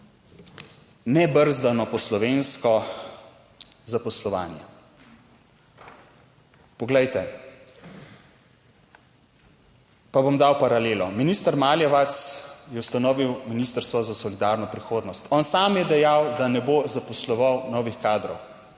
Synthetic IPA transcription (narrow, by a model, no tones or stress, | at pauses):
nɛbəɾzd̪anɔpɔslɔʋenskɔ | zapɔslɔʋa̰ːnjɛ̰ | pɔɡlɛjt̪ɛ | pabomd̪awpaɾaleːlɔminist̪aɾmaːljɛʋat̪sjɛwst̪anɔːʋiwminiːst̪əɾst̪ʋɔzasɔlid̪aːɾnɔpɾixoːd̪nɔst̪ɔːnsaːmjɛd̪ɛjawd̪anɛbozapɔslɔʋawnɔːʋixkaːd̪ɾɔw